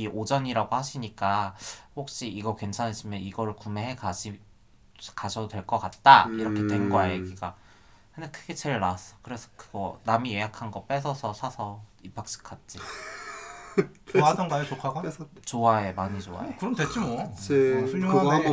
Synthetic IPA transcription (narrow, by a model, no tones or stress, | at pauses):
iʔod͡ʑʌɲiɾaɡohaɕʰiɲik͈ahok̚ɕ͈iiɡʌkwe̞nt͡ɕʰanɦes͈ʰimjʌniɡʌɾɯɭkume̞ɦekai | kaɕʰʌdwe̞ɭk͈ʌk͈at̚t͈aiɾʌkʰetwe̞nɡʌaeɡiɡa | kʰɯndekʰɯɡe̞t͡ɕe̞ɭːas͈ʌ̥kɯɾe̞sʰʌ̥kɯɡ̥ʌnamije̞jakʰanɡʌp͈e̞sʰʌsʰʌsʰasʰʌipʰak̚ɕ͈ʰi̥kʰat̚t͡ɕ͈i | oaadʌnɡajet͡ɕokʰaɡat͡ɕoaemaɲit͡ɕoa̰ekɯɾʌmdet͡ɕ͈imo | sʰuoŋa